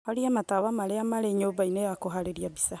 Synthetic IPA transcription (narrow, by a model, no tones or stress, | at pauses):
haɾiamataβamaɾeamaɾeɲoːbainejakoɦaɾeɾiabisa